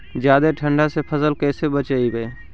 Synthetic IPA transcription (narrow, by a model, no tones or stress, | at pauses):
d͡ʒjaːd̪eʈʰə̃ɳɖasepʰəsəlkɛːsebət͡ʃaibee